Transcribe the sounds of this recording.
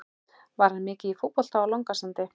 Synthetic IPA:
vaɾ̥hanmɪːcɪifut̪̚pɔl̥t̪aawlɔŋkasant̪ɪ

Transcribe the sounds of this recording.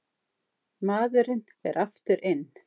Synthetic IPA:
maːðʏɾɪn | ɛɾʔaft̪ʏɾʔɪn

